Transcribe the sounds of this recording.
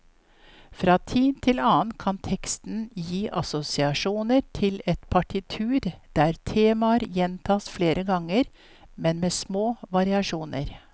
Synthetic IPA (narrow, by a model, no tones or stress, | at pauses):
fɾɑːt̪ʰiːt̪ʰɪlɑːnkʰɑnt̪ʰɛkst̪n̩jiːʔɑsʊsɪɑʂuːnəɾʈʰɪlɛt̪pʰɑʈʰɪt̪ʰʉːɾd̪̥æːɾt̪ʰeːmɑɾjɛnt̪ʰɑːsfleːɾʔəɡɑŋəɾ | mɛnmeːsmoːʋɑɾɪɑʂuːnəɾ